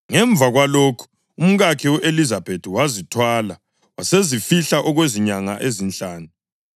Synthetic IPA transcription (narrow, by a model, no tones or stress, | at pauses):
ŋɛɱb̪vʱaɣwaloːkʰu̥ | um̩ɣakʰiwɛʔelizab̥ʱetʰiwazitʰwaːla | wasezifiɬaʔɔɣweziɲaŋaʔezint͡ɬaːnu